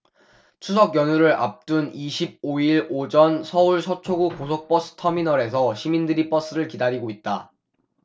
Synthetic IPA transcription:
t͡ɕʰus̬ʰʌkjʌnuɾɯɾʔa̰p̚t͈uniɕʰib̚oiɾod͡ʑʌnsʰʌuɭsʰʌt͡ɕʰoɡukosʰok̚p͈ʌs͈ɯ̥tʰʌminʌɾe̞s̬ʰʌɕʰimindɯɾip͈ʌs͈ɯɾɯɭkidaɾiɡoit̚t͈a

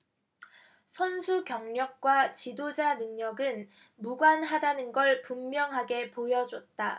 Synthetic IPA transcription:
sʰʌnsʰukjʌŋɲʌk̚k͈wat͡ɕidod͡ʑanɯŋɲʌɡɯn | muɡwanɦadanɯnɡʌɭpumːjʌŋɦaɡe̞pojʌd͡ʑʌt̚t͈a

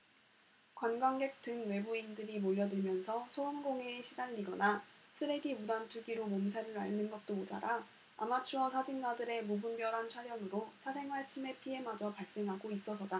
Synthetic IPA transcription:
kwanɡwaŋɡe̞k̚t͈ɯŋwe̞buindɯɾimoʎːʌdɯɭmjʌnsʰʌsʰoɯnɡoŋeːɕʰidanɾiɡʌnasʰɯɾe̞ɡimudantʰuɡiɾomomsʰaɾɯɾa̰ɭnɯnɡʌt̚t͈omod͡ʑa̰ɾa | a̰mat͡ɕʰuʌsʰad͡ʑinɡadɯɾe̞mubunbjʌɾɦant͡ɕʰaɾjʌŋɯɾosʰasʰe̞ŋwaɭt͡ɕʰime̞pʰie̞mad͡ʑʌpaɭs͈e̞ŋɦaɡois͈ʌsʰʌda

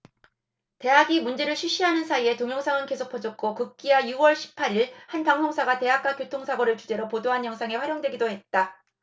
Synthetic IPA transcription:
te̞ɦaɡimund͡ʑe̞ɾɯɭɕʰiɕ͈iɦanɯnsʰaie̞toŋjʌŋsʰaŋɯnke̞sʰok̚pʰʌd͡ʑʌk̚k͈okɯk̚k͈iajuwʌɭɕʰi̥pʰaɾiɭhanpaŋsʰoŋsʰaɡate̞ɦak͈akjotʰoŋsʰaɡʌɾɯɭt͡ɕud͡ʑe̞ɾopodoɦanjʌŋsʰaŋe̞ɸwaɾjʌŋdwe̞ɡidoɦe̞t̚t͈a

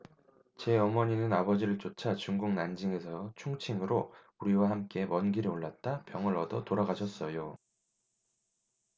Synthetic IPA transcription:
t͡ɕe̞ʌmʌɲinɯnabʌd͡ʑiɾɯɭt͡ɕot͡ɕʰat͡ɕuŋɡuŋnand͡ʑiŋe̞sʰʌt͡ɕʰuŋt͡ɕʰiŋɯɾo | uɾiwahamk͈e̞mʌnɡiɾioɭːat̚t͈apjʌŋɯɾʌdʌtoɾaɡaɕʰʌs͈ʌjo

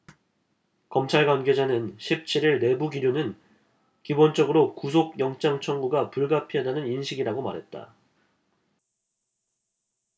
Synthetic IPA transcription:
kʌmt͡ɕʰaɭɡwanɡe̞d͡ʑanɯnɕʰip̚t͡ɕʰiɾiɭne̞buɡiɾjonɯn | kibont͡ɕ͈ʌɡɯɾokus̬ʰok̚jʌŋt͡ɕ͈aŋt͡ɕʰʌŋɡuɡapuɭɡapʰiʌdanɯninɕʰiɡiɾaɡoma̰ɾɦe̞t̚t͈a̰

